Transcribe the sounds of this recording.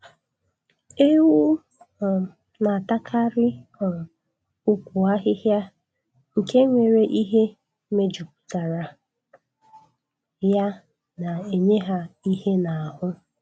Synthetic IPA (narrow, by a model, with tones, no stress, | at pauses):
e˦wu˦˨ | na˨ta˦kʰa˦ɾɪ˦ɔ˨ | ʊ˦kʷu˨a˦ɦɪ˦ɦja˦ | ŋ̩˨ke˦ŋʷe˨ɾe˨ʔi˦ɦe˦ | me˦d͡ʒu˨p̚ʊ̥˨ta˨ɾa˨ | ja˦ | na˨e˨ɲe˦ɦa˦i˦ɦe˦na˨a˨ɦʊ˦